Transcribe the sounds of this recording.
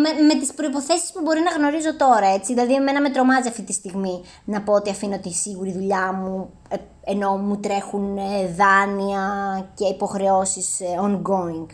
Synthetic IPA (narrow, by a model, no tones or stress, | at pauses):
meme̞t̪ispɾo̞ipo̞θe̞si̥spubo̞ɾinɐɣno̞ɾizo̞t̪o̞ɾɐe̞t͡siðilɐðieme̞nɐme̞t̪ɾo̞mɐziɐft̪it̪ist̪iɣmi | nɐpo̞ot̪iɐfino̞t̪isiɣuɾiðuʎɐmu | eno̞mut̪ɾe̞xuneðɐniɐce̞ipo̞xɾe̞o̞sisoŋɡo̞iŋɡ